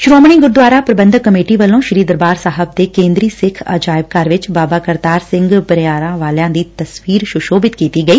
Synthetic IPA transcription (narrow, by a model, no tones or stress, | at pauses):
ʃɾoːmɳ̃iːɡʊɾd̪waːɾaːpɾəbə̃nd̪ʱkːəmeːʈiːʋəlːõːʃɪɾiːd̪əɾbaːɾsaːɦəb̚d̪eːkẽːnd̪ɾiːsɪkʰa̰ːd͡ʒaːɪb̚kaːɾʋɪt͡ʃbaːbaːkəɾd̪aːɾsɪ̃ŋɡpəɾɪjaːɾãːʋaːljãːd̪iːt̪əswiːɾʃʊʃoːbɪt̪kiːt̪iːɡəiː